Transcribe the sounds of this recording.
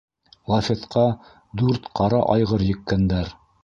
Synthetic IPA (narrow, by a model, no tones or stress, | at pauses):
lˠafʲet̪qʰɑ | d̪ʉɾt̪qʰɑɾɑʔɑjʁɤɾjɘ̆kːænd̪æɾ